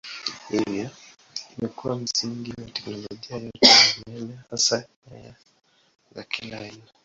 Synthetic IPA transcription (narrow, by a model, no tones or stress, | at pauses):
hivja | imɛkuwam̩siŋɡiwatɛknɔlɔʄiajɔtɛjamɛlɛhasa | ɛ̰ja | zakilaːina